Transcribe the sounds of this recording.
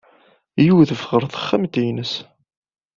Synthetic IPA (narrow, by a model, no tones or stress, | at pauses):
juwðəfʁəɾˤθə̥χːæmt̪ijnəs